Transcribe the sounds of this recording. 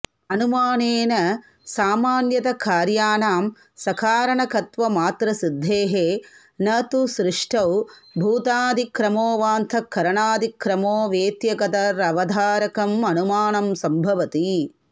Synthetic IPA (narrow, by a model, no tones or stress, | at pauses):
ɐnumaːneːnɐ | saːmaːnjɐt̪ɐkʰaːɾjaːnaːm | sɐkʰaːɾɐɳɐkʰɐt̪ʋɐmaːt̪ɾɐsid̪ʱːeːɦeː | nɐt̪usɾɪʂʈʰɐwbʱuːt̪aːd̪ʱikɾɐmoːʋaːnt̪ʰɐkʰːɐɾɐɳaːd̪ʱikɾɐmoːʋeːt̪jɐkɐt̪ɐɾɐʋɐd̪ʱaːɾɐkɐmɐnumaːnɐmsɐmbʱɐʋɐt̪i